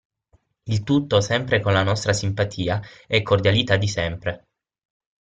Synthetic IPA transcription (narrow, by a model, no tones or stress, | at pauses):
ilt̪ut̪ːosɛmpɾekonlanɔst̪ɾasimpat̪ʰiːaɛkʰːord̪jalit̪ad̪ːisɛmpɾe